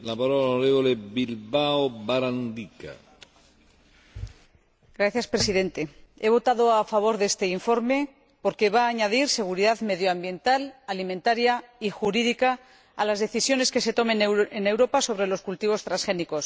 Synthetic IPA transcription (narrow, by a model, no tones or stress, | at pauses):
lapaɾolaonoɾeβolebilbaobaɾand̪ika̰ | ɡɾaθjaspɾe̞siðe̞nt̪e̞e̞β̞o̞t̪aðoafaβ̞o̞ɾðe̞st̪e̞iɱfo̞ɾme̞ | po̞ɾke̞βaːɲaðiɾse̞ɣ̞uɾiðaðme̞ðjoambje̞nt̪alalimẽnt̪aɾjaixuɾiðikaː | lazðe̞θisjo̞ne̞ske̞se̞t̪o̞mẽ̞nene̞wɾo̞paso̞β̞ɾe̞lo̞skult̪iβ̞o̞st̪ɾasxe̞niko̞s